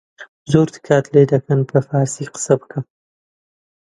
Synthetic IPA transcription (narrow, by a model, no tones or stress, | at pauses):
zoɾt̪ʰɨ̥kʰaːt̪ʰled̪ɐkɐnpʰəfaːɾsiqə̥sɐbɨkʰɨm